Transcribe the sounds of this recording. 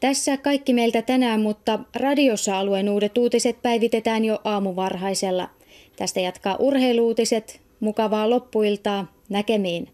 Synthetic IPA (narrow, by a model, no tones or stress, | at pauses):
t̪æsːækɑikːimeilt̪æt̪ænæːmmut̪ːɑrɑdio̞sːɑɑluenuːde̞t̪uːt̪iset̪̚pæjʋit̪e̞t̪æːnjo̞ʔɑːmuʋɑrɦɑjse̞lːɑ̰ | t̪æst̪æjɑt̪kɑːʔurhe̞iluːt̪ise̞t̪ | mukɑʋɑːlo̞pːuilt̪ɑː | nækemiːn